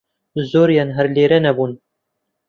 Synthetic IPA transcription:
zoːɾjaːnɦɛɾleːɾɛnɛbuːn

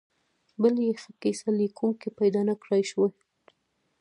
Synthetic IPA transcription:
bəljexəkesalikuŋkipajd̪ɑnakɽajʃwe

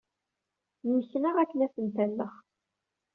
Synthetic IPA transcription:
niçnəʁækːənæθənt̪ælːəχ

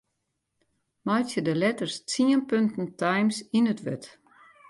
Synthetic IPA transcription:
majtjədəlɛtərst͡siənpøntn̩tʰajmsinətʋø̰t

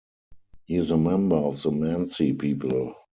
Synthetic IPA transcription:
hiɪzəmɛ̃mbə˞ɔfðənæ̃nsipʰiːpəl

